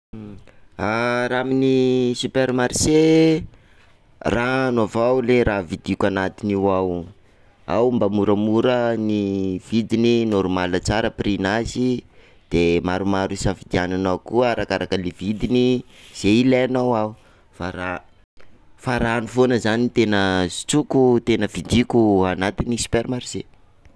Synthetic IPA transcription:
aɾaminisupermaɾise | ranovawleɾavid̪ikʲanat̪iniwaw | a̰wmbamuɾəmuɾəniv̥id̪ininoɾumalət͡saɾəprinazi | d̪̥emaɾumaɾusafid̪iananawkuəaɾakaɾakəlevid̪iniz̥eileanawau | faɾa | faɾaːnufonəzanit̪enəzi̥t͡sukut̪enəvid̪ikʲuanat̪inisi̥pɛɾmaɾuz̥e

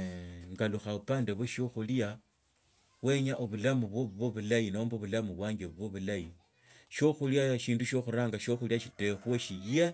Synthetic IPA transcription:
ŋɡaluxaupaːndeβweʃoxulja | we̞ɲaʔoβulamuβwoββwoβulajinomboβulamuβwaːɲɡeβuβwoβulaji | ʃo̞xuljaʃiːnduʃo̞xuɾaːŋɡaʃoxuljaʃite̞xweʃije̞

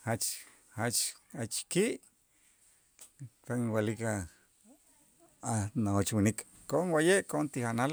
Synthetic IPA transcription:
hat͡ʃ | hat͡ʃat͡ʃkiʔ | taŋwalika | anaot͡ʃwinik | koʔoŋwajeʔkoʔont̪ixanal

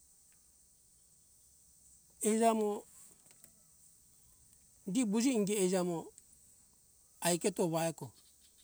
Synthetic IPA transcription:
ed͡ʒamo | dibud͡ʒiŋɡɛed͡ʒamo | ajketoβaeko

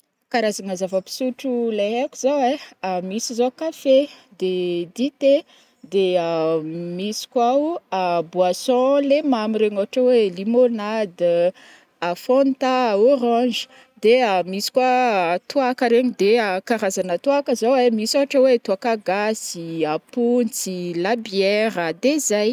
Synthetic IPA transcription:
kaɾazanazavəpi̥suʈ͡ʂulaɦakuzaweamisizokafed̪ed̪it̪e | d̪eəmisi̥kwawabwasɔ̃lemamiɾeɲoaʈ͡ʂəwelimonad̪ | afɔ̃nt̪aoɾɑ̃d͡ʒə̥ | d̪eamisi̥kwat̪uakəɾeɲid̪eakaɾazanət̪uakəzowemisoaʈ͡ʂəwet̪uakaɡasiapunt͡silabjɛɾəd̪ezaj

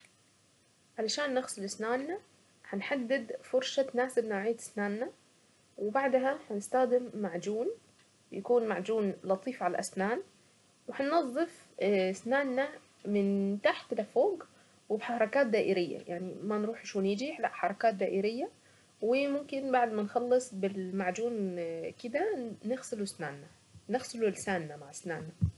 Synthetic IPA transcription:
ʕalaʃaːnːaxsˤʊlʔɪsnaːnːa | ħanħad̪ːɪd̪fʊɾʃanaːsɪbnoːʕɪjːat̪ɪ̥snaːnːa | wɪbaʕd̪ɦaħanɪst̪axd̪ɪmːaʕd͡ʒuːn | jakuːnmaʕd͡ʒuːnlɑt̪ˤiːfʕala̰lʔasnaːn | wɪħanːɑzˤːɨf | ɪsnaːnːa | mɪnt̪aħt̪lʔafoːɡ | wɪbħaɾˤɑkaːt̪̚d̪aːʔɪɾɪjːa̰jaʕnimanɾuːħʃoːnjɪd͡ʒiːħlaʔħɑɾˤɑkaːt̪̚d̪aːʔɪɾɪjːa | wɪmʊmkɪnbaʕd̪manxɑlːɨsˤbɪlmaʕd͡ʒuːnkɪd̪anɪɣsɪlusnaːnːa | nɪxsɪlulɪsaːnːamaʕɪsnaːnːa

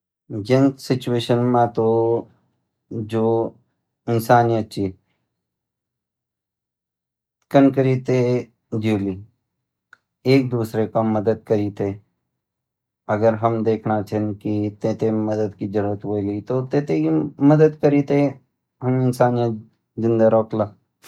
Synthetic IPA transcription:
d͡ʒɪnsɪt͡ʃueːʃənmãt̪o | d͡ʒoː | ɪnsaːnijət̪̚t͡ʃʰi | kənkəɾit̪e | d͡ʒuːli | eːk̚d̪uːsɾekaməd̪əd̪̚kəɾit̪ʰe | ɐɡəɾɦəmd̪eːkʰnat͡ʃʰenkit̪ẽːt̪ẽməd̪əd̪kid͡ʒəɾuːɾət̪ɦojlit̪ot̪ẽːt̪ekiməd̪əd̪̚kəɾit̪e | ɦɐmɪnsaːnijə | d͡ʒɪ̃nd̪aɾoːklaː

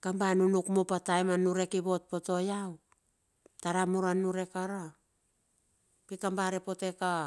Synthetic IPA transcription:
kambanunukmupatajmanuɾe̞kibo̞t̚po̞to̞jaw | taɾamuɾanuɾe̞kaɾa | pikambaɾepo̞teka

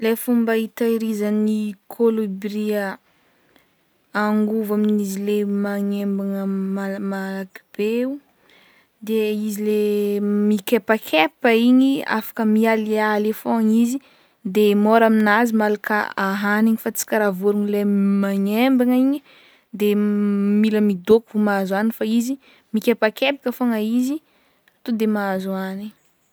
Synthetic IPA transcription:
lefumbait̪aiɾizanikʰolobɾiə | aŋɡuvaminizilemaɲembaŋəmalmalaki̥b̥eu | d̪eizilemikepakʰepəiɲia̰fḁkəmialealefoɲizi | d̪emoɾaminazimalakʰə̰aɦaniɲifat͡si̥kʲəɾavuɾuŋilemaɲembaŋiɲi | d̪emiləmid̪okuvumazanifaizi | mikʲepakepikəfoŋəizi | at̪od̪emaazuani

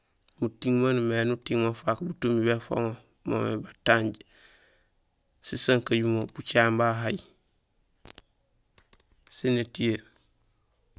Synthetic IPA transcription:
mutiŋmanmenutiŋmofakbutumibefo̰ŋo | mo̰mḛbataːɲɟ | sisaŋkaɟumob̥ut͡ʃaːmbaɦaj | senetieɾ

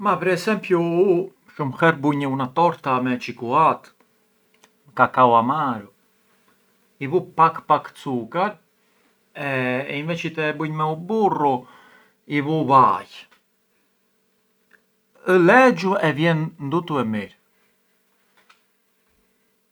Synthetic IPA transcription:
mapɛɾɛsɛmpjuu | ʃumxɛɾbuɲəunat̪ɔɾt̪amɛt͡ʃikuat̪ | kakawamaɾu | ivupakpakt͡sukaɾ | ɛinvɛt͡ʃit̪ɛbuɲmɛuburu | ivuvaj | əlɛd͡ʒuɛvjɛnnd̪ut̪uɛmiɾ

